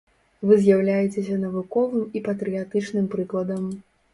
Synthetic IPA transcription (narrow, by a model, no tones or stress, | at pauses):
vɨzʲjawlʲajɛt͡sʲesʲɐnɐvukɔvɨmipɐt̪ɾɨjat̪ɨt͡ʂnɨmpɾɨklˠɐd̪ɐm